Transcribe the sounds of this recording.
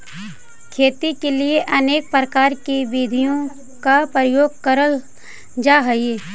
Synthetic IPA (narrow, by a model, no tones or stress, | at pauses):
kʰeːt̪ikelieʔɐneːk̚pɾəkaːɾkibiːd̪ʱijõ | kapɾəjoːɡ̚kəɾəl | d͡ʒaːɦɐie